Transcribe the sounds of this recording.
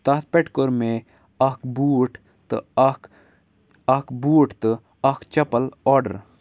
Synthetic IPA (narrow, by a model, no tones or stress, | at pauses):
t̪ɐt̪̚peʈkoɾmẽ | ɐkbuːʈ | t̪ɨ̰k | ɐkbuːʈt̪ɨ | ɐkt͡ʃɐpəlɔːɾɖə̰ɾ